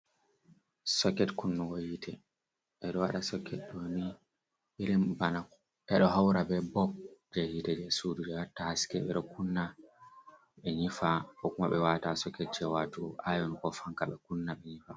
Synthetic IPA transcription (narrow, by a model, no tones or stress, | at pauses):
sɔkːɛtkunːuwojitʰɛ | ʔɛɗɔwaɗasɔkʰːɛtdoni | ɓɛɾimbanak | ʔɛɗɔɦawɾabɛbɔp̚d͡ʒɛhitɛd͡ʒɛsudud͡ʒɛwatːahaskɛɓɛ̰ɗɔkunːa | ɓɛɲifaʔɔkumaɓɛwatasɔkːɛt̚t͡ʃɛwatuʔajɔnkɔfaŋkaɓɛkunːaɓɛɲifa